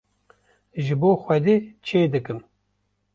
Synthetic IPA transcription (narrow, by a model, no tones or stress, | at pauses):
ʒɨboːxʷɛd̪eːt͡ʃʰeːd̪ɨkɨm